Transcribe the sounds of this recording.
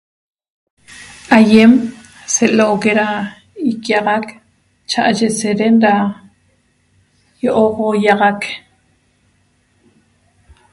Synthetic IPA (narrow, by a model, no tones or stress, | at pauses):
ʔajem | seʔloʔkeɾa | ikjaʁak | t͡ʃaʔaʃeseɾenɾa | joʔoqojaʁak